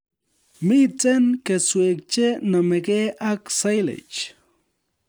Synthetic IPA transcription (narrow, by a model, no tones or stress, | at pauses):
mit͡senkeswek̚t͡ʃenameɡeʔaksajlḛt͡ʃ